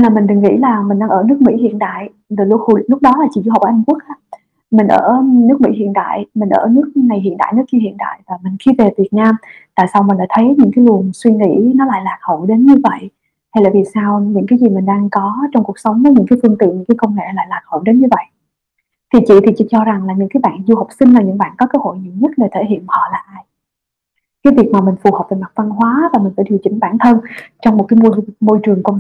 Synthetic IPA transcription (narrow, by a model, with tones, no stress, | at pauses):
nlaː˨˩mï˨˩ŋ̟ɗɨ˨˩ŋḭ˧˥laː˨˩mi˨˩ŋ̟ɗaː˧ŋʔəː˧˩nɨ˦˥ək̚mḭ˧˥hḭ˧˨ənɗ̪a̰ː˧˨j | zo˨˩lhlʊ˦˥k͡p̚ɗɔ˨˦laː˨˩t͡ɕḭ˧˨zu˧ɦə˨˩w̚ʔa˧jŋku˦˥ək̚ʔaː˦˥ | mï˨˩ŋ̟ʔəː˧˩nɨ˦˥ək̚mḭ˧˥hḭ˧˨ənt̪a̰ː˧˨jmï˨˩ŋ̟ʔəː˧˩nɨ˦˥ək̚na˨˩jɦḭ˧˨ənɗa̰ː˧˨jnɨ˦˥əki˧hḭ˧˨ənɗ̪a̰ː˧˨jvaː˨˩mï˨˩ŋ̟xi˧ve˨˩vi˨˩ət̚naː˧mt̪a̰ː˧˨jsa˧wmi̟˨˩la̰ː˧˦jt̪ʰə˨˦jɲɨ̰˧˥ŋkaː˨˦jlu˨˩ənswi˧ŋḭ˧˥nɔ˨˦la̰ː˧˨jlaː˨˩t̚ho˧˩jɗe˨˦nɲɨ˧və̰˧˨jʔ | ha˧jlaː˨˩vi˨˩saː˧wɲɨ̰˧˥ŋkaː˨˦jzi˨˩mï˨˩ŋ̟ɗaː˧ŋkɔ˨˦t͡ɕɔ˧ŋ͡mku˨˩ək̚sə˨˦wŋ͡mvəː˨˦jɲɨ̰˧˥ŋkaː˨˦jfɨ˧əŋt̪ḭ˧˨ənɲɨ̰˧˥ŋkaː˨˦jkə˧wŋ͡mŋḛ˧˨la̰ː˧˨jlaː˨˩t̚ho̰˧˩˨jɗe˨˦nɲɨ˧və̰˧˨jʔ | t̪ʰi˨˩t͡ɕḭ˧˨t̪ʰi˨˩t͡ɕḭ˧˥t͡ɕɔ˧za˨˩ŋlaː˨˩ɲɨ̰˧˥ŋkaː˨˦jɓa̰ː˧˨nzu˧hə˨˩wk͡p̚sï˧ŋ̟laː˨˩ɲɨ̰˧˥ŋɓa̰ː˧˨nkɔ˨˦kəː˨˦ho̰˧˨jɲḭ˧˨wɲə˦˥t̚ɗe˨˩t̪ʰe˧˩hḭ˧˨ənhɔ̰˧˨laː˨˩ʔaː˧j | kaː˨˦jvi˨˩ək̚maː˨˩mï˨˩ŋ̟fu˨˩həː˨˩p̚veː˨˩jma˨˩k̚va˧nɦwaː˨˦vaː˨˩mi̟˨˩faː˧˩jɗi˨˧˩wt͡ɕï˨˦ŋ̟ɓaː˧˩nt̪ʰə˧nt͡ɕɔ˧wŋ͡mm˨˩t̚kaː˨˦jmo˧jmo˧jt͡ɕɨ˨˩əŋkə˧w